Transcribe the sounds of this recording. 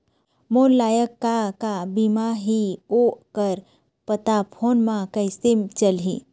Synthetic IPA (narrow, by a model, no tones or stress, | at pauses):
moːlːaːjəkːakabimaɦiokəɾ | pət̪apʰoːnmãkəjsemt͡ʃəlɦḭ